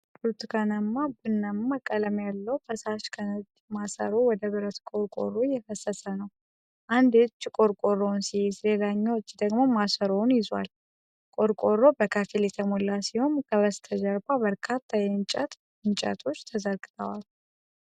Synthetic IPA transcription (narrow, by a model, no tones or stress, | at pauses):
dut̪kʰənəmːabɨnːəmːakʼələmjalːəwbʰəsaʃkʰənəd͡ʒ | masə̰ɾowɔd̪əβɨɾət̪kʼo̞ɾkʼo̰ɾːojɛfəsːəsənəw | ʔand̪et͡ʃːkʼo̞ɾkʼo̞rːo̞nsijɪzlelaɲːawt͡ʃːd̪əɡmo̞masəɾo̞njɪza̰l | kʼo̞ɾkʼo̞rːo̞bəkʰəfiljɛt̪ʰəmolːasiho̞nkʰəβəst̪ʰəd͡ʒəɾbabəɾkʰat̪ʰːajɛɨnt͡ʃʼət̪ | ɨnt͡ʃʼə̰t̪ʰo̞t͡ʃːt̪ʰəzəɾɡɨt̪ʰəwal